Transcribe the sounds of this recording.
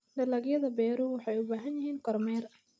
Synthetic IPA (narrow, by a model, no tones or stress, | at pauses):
dɐlɐɡjɐðɐbɛːɾʊwɑħɑjʊbaːɦɐnjɐɦiːnkʰɔrmɛːrɐ